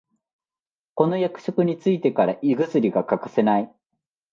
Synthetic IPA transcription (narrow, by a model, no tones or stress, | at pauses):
ko̞no̞jakɯ̟̥ɕo̞kɯ̟ɲ̟it͡sɨit̪e̞kaɾaʔiɡɯzɨɾʲiɡakakḁse̞nai